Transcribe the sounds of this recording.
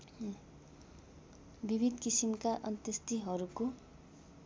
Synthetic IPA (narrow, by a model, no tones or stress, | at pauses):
bibʱid̪kisimkaʔʌnt̪ʌst̪iɦʌɾuko